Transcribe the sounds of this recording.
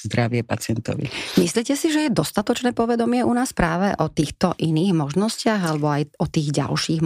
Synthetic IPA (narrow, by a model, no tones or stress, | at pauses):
zd̪ɾaʋɪɛpat͡sɪɛnt̪ɔ̰ʋḭmisliːcɛsiʒɛjɛd̪ɔst̪at̪ɔt͡ʃnɛːpɔʋɛd̪ɔmɪɛʔunaːspɾaːʋɛʔɔt̪iːxt̪ɔʔiniːɣmɔʒnɔscɪaɣalɛbɔajɔt̪iːɣɟa̰lʃiːɣ